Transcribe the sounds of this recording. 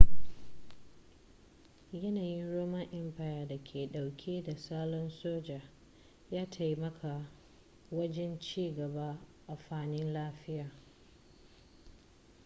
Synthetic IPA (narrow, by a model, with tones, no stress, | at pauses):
jɐ˦naː˨jɪ˦nɾoː˦mɐ˦ŋʔɛ˦mɸaː˨jaː˨da˨kʲʰeː˨ɗa˨wkʲʰeː˦da˨saː˦lɔ˦nsoː˦d͡ʒaː˨ | jaː˦tʰa˨jmɐ˦kʰa˨ | wɐ˦d͡ʒɛ˦nt͡ʃiː˦ɡɐ˨ba˦ʔa˨ɸaː˦˨nɪ˦nlaː˦ɸɪ˦jaː˨